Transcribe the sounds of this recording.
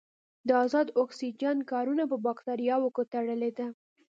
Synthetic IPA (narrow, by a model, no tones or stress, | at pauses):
d̪əɑzɑd̪oksid͡ʒankɑɾunapəbɑkt̪ɑɾijɑwəkot̪aɽəled̪a